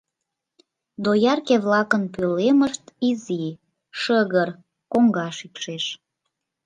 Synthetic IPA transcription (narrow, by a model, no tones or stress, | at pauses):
d̪ojɑrkeβlɑkənpøleməʃt̪izi | ʃəɣər | koŋɡɑʃikʃeʃ